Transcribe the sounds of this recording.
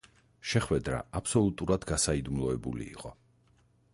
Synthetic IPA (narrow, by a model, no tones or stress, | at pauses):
ʃɛχwɛd̪ɾa̰apʰsɔlˠut̪ʼuɾad̪ɡasaid̪umlˠɔɛbṵlḭːqʼɔ